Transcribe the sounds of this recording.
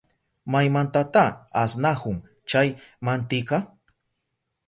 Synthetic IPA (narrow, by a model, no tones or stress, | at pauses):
majmant̪at̪aasnahʊŋ | t͡ʃajmant̪ɪqɑ